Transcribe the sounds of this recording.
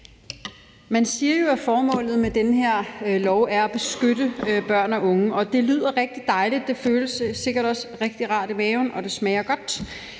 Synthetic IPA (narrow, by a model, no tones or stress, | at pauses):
mænsiːɐjo̝æfɒːmɔ̰̽ːlð̩ˠmed̥enəɦeɐ̰lɒʊæɐæb̥e̝sɡ̥ød̥əb̥ɶɐ̰nɒʔɔ̽ŋəɒ̽d̥e̝lyð̰ˠɐʁeɡ̥̚d̥i̥ɑ̈ɪlid̥ːe̝føːləsːe̝ɡ̥ɐɾɒ̽sʁeɡ̥̚d̥iʁɑ̰̈ːd̥imɛːʊnʔɒ̽d̥e̝smɛɪɐɡ̥ɒ̽d̥